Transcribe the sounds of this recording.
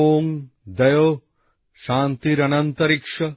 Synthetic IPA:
oːŋ | d̪ɐjoː | ʃaːnt̪iɾɐnɐnt̪ɐɾikʂɐ

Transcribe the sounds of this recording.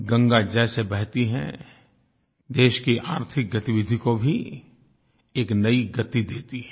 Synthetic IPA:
ɡɐ̃ŋɡad͡ʒɛːsebɛɦt̪iɦɛ̰̃ | d̪eːʃkiʔaːɾt̪ʰɪk̚ɡɐt̪iʋɪd̪ʱikobʱi | eːknɐiɡɐt̪id̪eːt̪iɦɛ

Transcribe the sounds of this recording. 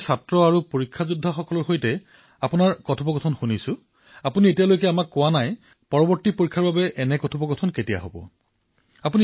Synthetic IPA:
satɹɔaɹupoɹikʰːazudʱːaxɔkɔlɔɹxojtɛ | apunaɹkɔtʰɔpɔɡɔtʰɔnxunisʊ | apunietijalojkɛamakːʊwanaj | pɔɹɔbɔɹtipoɹikʰːaɹbabɛʔɛnɛkɔtʰɔpɔɡɔtʰɔnketija̰ɦobɔ̰ | apuni

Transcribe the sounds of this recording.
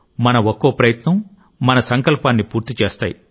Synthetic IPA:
mɐnɐokːoːpɾɐjɐt̪nɐmː | ɐnɐsɐŋkɐlpaːnːipuːɾt̪it͡ʃeːst̪a̰ːji

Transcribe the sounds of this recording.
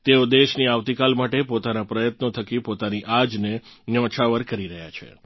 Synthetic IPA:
t̪eod̪eʃniaʋt̪ikalmaʈepot̪anapɾəjət̪not̪ʰəkipot̪aniʔad͡ʒnenjɔ̃t͡ʃʰaʋəɾkəɾiɾəɦja̰t͡ʃʰḛ

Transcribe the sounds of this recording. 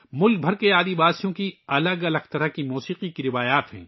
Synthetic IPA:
mʊlk̚bʱɐɾkeaːd̪ibaːsijõkiɐləɡɐləɡ̚t̪ɐɾəkimuːsiːqikiɾɪʋaːjaːt̪ɦɛ̰̃ː

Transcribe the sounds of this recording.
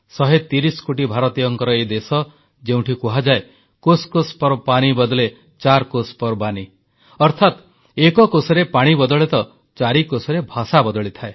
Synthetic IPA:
sɔɦet̪iɾiskoʈibʱaɾɔt̪ijɔŋkɔɾɔed̪esɔ | d͡ʒeũʈʰikuɦad͡ʒae | koskospɔɾpaɽ̃ibɔd̪ɔle | t͡ʃaɾkospɔɾbani | ɔɾt̪ʰat̪ | ekɔkosɔɾepaɽ̃ibɔd̪ɔɭet̪ɔ | t͡ʃaɾikosɔɾebʱasabɔd̪ɔɭit̪ʰae

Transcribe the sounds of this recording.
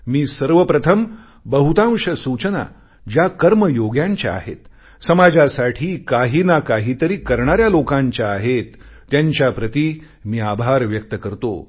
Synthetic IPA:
miːsəɾʋəpɾət̪ʰəm | bəɦut̪ãw̃ʂəsut͡ɕəna̰ | d͡ʑjakəɾməjoɡjaɲt͡ɕja̰a̰ɦḛt̪ | səmad͡ʑasaʈʰiːkaɦiːnakaɦiːt̪əɾiːkəɾɳaɾjalokãɲt͡ɕjaːɦet̪ː | jaɲt͡ɕjapɾət̪iː | miːabʱaɾʋjək̚t̪əkəɾt̪o̰

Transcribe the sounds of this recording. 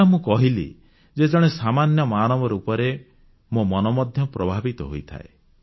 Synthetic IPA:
mũkɔɦilḭ | d͡ʒed͡ʒɔɽ̃esamanjɔmaːnɔbɔɾupɔɾe | momɔnɔmɔd̪ʱjɔpɾɔbʱabit̪ɔɦo̰jt̪ʰa̰e

